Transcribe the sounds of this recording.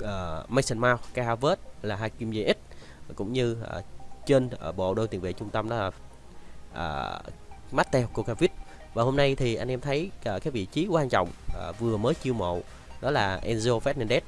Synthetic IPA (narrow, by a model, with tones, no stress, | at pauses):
ʔəː˨˩ma˧jsə˧nmaː˧wkaː˧haː˧və˦˥t̚laː˨˩ɦaː˧ki˧mze˧ʔi˦˥t̚ | kʊ̰˧˥ŋ͡mɲɨ˧˨˩t͡ɕe˧nː˨˩ɓo̰˧˨ɗo˧t̪i˨˩əŋvḛ˧˨t͡ɕʊ˧ŋ͡mt̪ə˧mɗɔ˨˦laː˨˩ | ʔə̰ː˨˩ | ma˦˥t̚t̪ɛ˧hkːo˧kaː˧vi˦˥t̚ | vaː˨˩ho˧mna˧jt̪ʰi˨˩ʔa˧jʔɛ˧mt̪ʰə˨˦jːkaː˨˦jvḭ˧˨t͡ɕi˨˦kwaː˧nt͡ɕɔ̰˧˨wŋ͡mʔvɨ˨˩əməː˨˦jt͡ɕi˧wmo̰˧˨ | ɗɔ˨˦laː˨˩ʔɛ˧nzo˧fɛ˦˥t̚nɛ˧nɗɛ˦˥t̚